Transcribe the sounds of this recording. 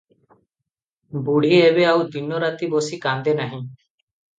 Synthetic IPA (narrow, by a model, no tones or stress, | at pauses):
buɽ̤iebeawd̪inːoɾat̪ibosikand̪enaɦĩ